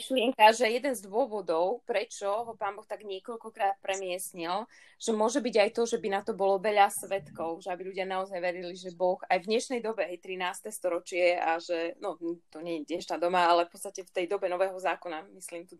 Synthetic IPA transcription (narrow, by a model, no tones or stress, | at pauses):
ʃlɪɛŋkaʒɛjɛd̪ɛnzd̪ʊɔʋɔd̪ɔʊpɾɛt͡ʃɔɦɔpaːnbɔxt̪aɡɲɪɛkɔʎkɔkɾaːt̪̚pɾɛmɪɛsɲilʒ̥ɛmʊɔʒɛbiɟajt̪ɔʒɛbinat̪ɔbɔlɔʋɛʎasʋɛt̪kɔʊʒɛabiluɟɪanaɔzajʋɛɾiliʒɛbɔxajvɲɛʃnɛjd̪ɔbɛɦɛjt̪ɾinaːst̪ɛst̪ɔɾɔt͡ʃɪɛaʒɛnɔt̪ɔɲɛɲɛɛʃnad̪ɔmaalɛfpɔtst̪acɛft̪ɛjd̪ɔbɛnɔʋɛːɦɔzaːkɔnamislimt̪u